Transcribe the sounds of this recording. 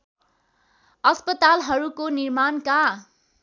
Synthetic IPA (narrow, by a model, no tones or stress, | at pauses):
ʌspʌt̪alɦʌɾukonirmanka